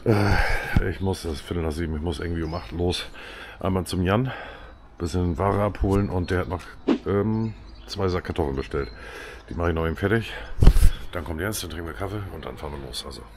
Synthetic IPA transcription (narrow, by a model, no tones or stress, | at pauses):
ʔɛːɪçmʊsdafɪtl̩naziːbm̩ɪçmʊsʔɪɐɡŋ̩tv̥iːʊmʔaχtloːs | ʔa̰ɪnmaːlt͡sʊmjan | b̥ɪsɪnnvaːʁəʔaphoːlənʔʊntd̥eːɐhatnɔχ | ʔɛːm | t͡sv̥aɪzakʰːaɐtʰɔfl̩nbəʃtɛltd̥iːmaχɪçnɔχiːmfɛɐtɪç | d̥ankʰɔmndiɛnstəntʁɪŋ̩viːɐkʰafeʊntd̥anfaːɐnviɐlo̰ːsʔalzo